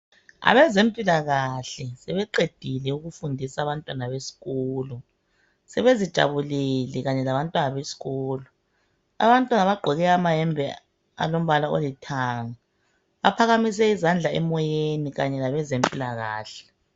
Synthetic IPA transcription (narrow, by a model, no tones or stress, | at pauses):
a̰βɛzempʼilaɣaɬɛsɛβɛǃed̥ʱilɛuɣufundʱisaːβantʼwanaβesi̥ɣɔːlɔ | sɛβezid̥ʒ̥ʱa̰βulelɛɣaɲɛlaβantʼwanaβesi̥ɣɔːlɔ | a̰βantʼwanaβaɡ͡ǃʱɔɣɛamaɦɛmbʱɛ | a̰lom̩βalao̰litʰaːŋa | βapʰaɣamis̬ɛizand͡ɮʱaɛmɔjeniɣaɲɛlaβɛzempʼilaɣa̰ːɬɛ̥